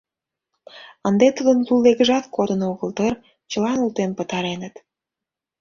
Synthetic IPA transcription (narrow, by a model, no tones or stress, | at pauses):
ənd̪et̪ud̪ənlulːeɣəʒɑt̪kod̪ənoɣəlt̪ər | t͡ɕəlɑnult̪empə̆t̪ɑɾenət̪